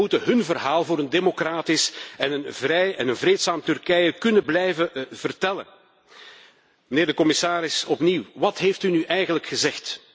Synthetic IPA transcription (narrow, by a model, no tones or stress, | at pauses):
utəɦɵnvərɦaːlˠvʊːɾəndemokraːtɪsɛnənvrɛjɛnənvɾeːtsaːmtʏrkɛjəkɵnəblɛjvəv̥ərtɛlə̰ | məneːrdəkɔmɪsaːɾɪsɔpniwʋɑtɦejftynyʔɛjɣənləkxəzɛxt